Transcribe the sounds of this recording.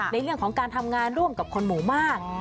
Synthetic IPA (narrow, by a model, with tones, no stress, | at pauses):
na˧jɾɯ˥˩əŋkʰɔː˩˦ŋkaː˧nt̪ʰa˧mŋaː˧nɾu˥˩əmka˨˩p̚kʰo˧nmuː˩˦maː˥˩k̚